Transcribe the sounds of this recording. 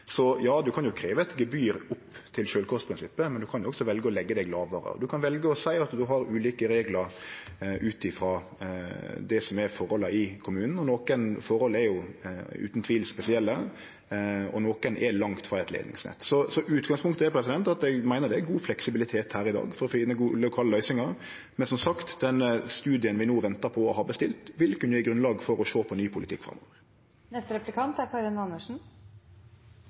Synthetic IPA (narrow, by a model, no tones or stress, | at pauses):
sɔjɑːd̪ʉkʰɑnjʊkʰɾeːʋəɛt̪ɡɛbyːɾʊpːt̪ʰɪlʃøːlkʰuːspʰɾɪnsɪpːəmɛnd̪ʉkʰɑnjʊɔksɔʋɛlɡəɔlɛɡːəd̪æɪlɑːʋɑɾə̰ɔ̰d̪ʉkʰɑnʋɛlɡəɔsæɪɑt̪d̪ʉɦɑɾʉːliːkəɾeːɡləɾ | ʉːt̪ɪfɾɑ | d̪ɛsɔmɛɾfɔɾhɔləɪkʰʊmʉːnn̩ɔnoːkənfɔɾhɔlːɛɾjʊʉ̰t̪nt̪ʰʋiːlspɛsɪɛlːə | ɔ̰noːkənʔɛlɑŋt̪fɾɑɛt̪lḛːd̪nɪ̰ŋsnɛ̰t̪ːsɔsɔʔʉːt̪ɡɑŋspʊŋkt̪əɛɾpʰɾɛsɪd̪ɛnt̪ɑt̪ɛɡmæɪnəɾd̪ɛæɡuːflɛksɪbɪlɪt̪ʰeːt̪hæːɾɪd̪ɑ̰ːɡfɔɾɔfɪnəɡuːlʊkʰɑːləlœʏsɪŋɑɾ | mɛnsɔmsɑkt̪d̪ɛnːəst̪ʉːd̪ɪənʋɪnoːʋɛnt̪ɑɾpʰɔɔɦɑːbəst̪ɪlt̪ʋɪlkənjɪɡɾʉnlɑːɡfɔɾɔʃoːpʰɔnyːpʰʊlɪt̪ʰɪ̰kːfɾɑ̰mːɔ̰ːʋəɾ | nɛst̪əɾɛplɪkʰɑnt̪æɾkʰɑɾɪnɑnəʂn̩